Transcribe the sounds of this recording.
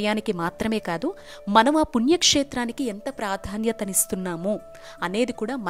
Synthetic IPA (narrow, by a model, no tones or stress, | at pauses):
jaːnikimaːt̪ɾɐme̞ːkaːd̪u | mɐnɐmaːpunjɐkʂeːt̪ɾaːnikient̪ɐpɾaːd̪ʱaːnjɐt̪ɐnist̪unːaːmu | ɐne̞ːd̪ikuːɽaːmɐ